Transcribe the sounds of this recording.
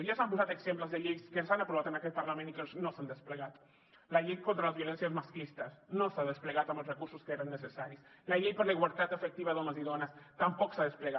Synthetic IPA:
ejasampusaðoeksemplazðeʎejskensanapɾoat̪anakepaɾlamenikeosnosand̪e̞spleɣaðo̥ | laʎejko̞nt̪ɾalazβjo̞le̞nsjazmaskist̪asnosaðespleɣaðamlorekuɾsoskeeɾanːesesaɾjoslaʎejpolaiɣwalt̪at̪efek̚t̪iβaðomasiðonast̪ampoko̥saðespleɣa

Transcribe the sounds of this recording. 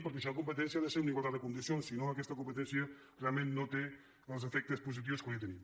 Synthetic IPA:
pəɾkesilɐkumpət̪̬ɛ̃nsjaðeseuniɣwalˠt̪ad̪əkund̪isjonsinoakɛst̪ɐkumpət̪ɛnsjə | realˠmẽnnot̪e | əlzefɛk̚t̪espuz̬it̪̬iwskojt̪enĩm

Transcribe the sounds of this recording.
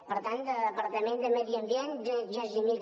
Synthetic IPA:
pəɾt̪ant̪əəpəɾt̪əmẽnd̪əmɛðiəmbijɛnʒʒəzimil

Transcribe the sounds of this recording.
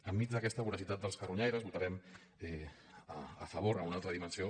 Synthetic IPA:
əmːid͡zd̪əkɛst̪əβuɾəsit̪at̪d̪əlˠskəruɲɛjɾəzβut̪aɾɛm | ɛ | ə̰fəβ̞oɾəunalˠt̪ɾəðimənsio

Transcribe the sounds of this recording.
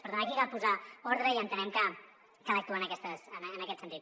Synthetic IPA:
pəɾðunakikalpuzaɔɾðɾəiənt̪ənɛmkə | kələk̚t̪uənəkɛst̪əsənːnəkɛt̪sənt̪it̪

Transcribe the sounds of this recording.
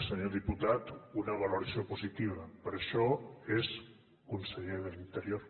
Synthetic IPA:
seɲoðiput̪at̪unɐβ̞aloɾasjopuzit̪iβɐpəɾeʃɔez | kunseʎeðəlint̪əɾjoɾ

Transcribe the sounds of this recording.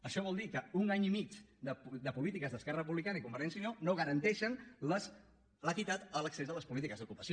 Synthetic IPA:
əʃɔβ̞ɔlˠd̪ikəunaɲimit͡ʃd̪əd̪əpulit̪ikəzðəskɛrərəpuβlikanəikumbəɾɛnsinonoɣəɾənt̪ɛʃənləs | ləkit̪at̪ələksezðələspulit̪ikəzðukupəsio

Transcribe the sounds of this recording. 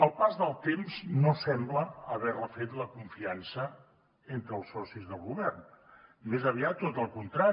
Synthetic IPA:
əlˠpazðəlˠt̪emznosɛmbləəβɛrləfet̪ləkuɱfiansə | ent̪ɾəːlˠsɔsizðəlˠɣuβɛrnmezəβ̞iat̪ːot̪əlˠkunt̪ɾa

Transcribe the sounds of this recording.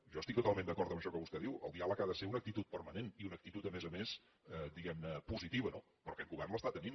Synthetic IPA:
ʒɔəst̪ik̚t̪ut̪alˠmend̪əkɔɾt̪əmbəʃɔkəβust̪ɛðiwə̰lˠd̪ialəkaðəseunək̚t̪it̪ut̪̚pəɾməneniunək̚t̪it̪ut̪əmɛzəmes | ɛd̪iɣɛmnəpuzit̪iβəno | pɾɔkɛŋɡuβɛrnləst̪at̪ənin

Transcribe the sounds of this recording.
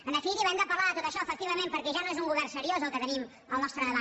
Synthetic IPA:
ənəfiɾiβɛnd̪əpəlaðət̪ot̪əʃɔəfək̚t̪iβəmempəɾkɛʒanoezuŋluβɛrsəɾiozəlˠkət̪ənim | əlˠnɔst̪ɾəðəβa

